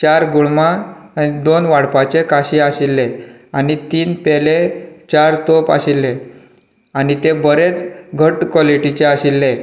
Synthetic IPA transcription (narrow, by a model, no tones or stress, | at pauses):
t͡ɕaɾɡuɭmaːnid̪onʋaɽpat͡ɕekaɕiaɕilːeanit̪iːnpelet͡ɕaɾt̪opa̰ɕilːe | anit̪ebəɾet͡sɡʱəʈkɔliʈit͡ɕeaɕilːe